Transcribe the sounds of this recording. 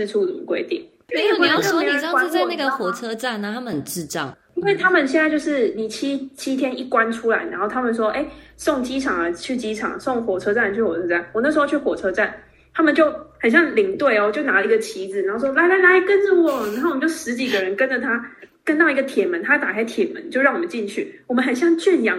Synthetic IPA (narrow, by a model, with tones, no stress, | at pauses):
u˥˩u˨˩˨kwḛ˧˥ɪt̪ḭ˥˩ŋ˥e˥˩˥wo˥˧˥wa˥na˥˩ɡə˨˩xwɔ˨˩t͡sʰɤ˥ʈ͡ʂa˥˩nna˨˦t̪ʰa˥mə˨˩ʈ͡ʂɻ̩˥˧t͡sɑ̰˥˩ʊ | i˥nwe˥˩ɪt̪ʰa˥mə˨nɕ̬ɛ˥˧nt͡sa˥˧ɪt͡ɕo˥˧ʊʂɻ̩˥˩ni˨˩t͡ɕʰi˥t͡ɕʰi˥t̪ʰjɛ˥ni˥˩kwa˦˥nʈ͡ʂʰu˥la˧˦ɪna˧˦nxo˥˩ʊt̪ʰa˥mə˨nʂwɔ˥ʔe˥˩ɪsɔ˥˨˩ŋt͡ɕi˦ʈ͡ʂʰɑ˨˩ŋə˦t͡ɕʰy˥˩t͡ɕi˦˥ʈ͡ʂʰɑ̰˨˩ŋsɔ˥˩ŋxwɔ˨˩ʈ͡ʂʰɤ˥ʈ͡ʂa˥˩n˩t͡ɕʰy˥˩wɔ˨˩t͡sʰɤ˥˦˥t͡sa˥˩nwɔ˨˩na˥˩ʂ̩˧xo˥˧t͡ɕʰy˥˩xwɔ˨˩ʈ͡ʂʰɤ˥ʈ͡ʂa˥˩n | t̪ʰa˥mə˨nt͡ɕjo˥˩ʊxə˨˩nɕ̬jɑ˥˩ŋli˧˥ŋt̪we˥˩ɪɔ˨˧˩t͡ɕjo˥˩ʊna˧˥lə˧i˧˥ɡə˨˧t͡ɕʰi˧˥d͡zɹ̩˨na˧˦nxo˥˩ʊ˩ʂwɔ˥la˧ɪla˧˥ɪla˧˥ɪkə˦˥nʈ͡ʂə˨wɔ˨˩na˨˧ŋxo˥˩˨mə˦t͡ɕo˥˩ʂɻ̩˧˦˥t͡ɕi˨˩ɡə˦ɻə˧˦nkə˦˥nd͡ʒə˨˩t̪ʰa˥kə˥nt̪ɑ˥˩ʊi˧˥ɡə˨˩t̪ʰjɛ˨˩mə˨˦nt̪ʰa˥t̪a˨˩kʰa˥ɪt̪ʰjɛ˨˩mə̰˦nt͡ɕjo˥˧ʊɻɑ˥˩ŋwɔ˨˩mə˦nt͡ɕi˥˧nt͡ɕʰy̰˥˩wɔ˨˩mə˦xə˨˩nɕjɑ˥˧ŋt͡ɕy˥˩njɑ˧˥